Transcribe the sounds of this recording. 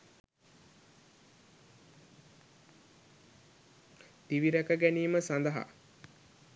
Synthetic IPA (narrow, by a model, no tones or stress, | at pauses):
t̪iʋiɾækəɡæniːməsand̪əɦa̰